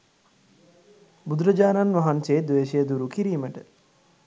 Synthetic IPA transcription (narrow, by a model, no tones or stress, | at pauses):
bud̪uɾəd͡ʒaːnanʋaɦanseːd̪ʋeːʃejəd̪uɾukiɾiːməʈə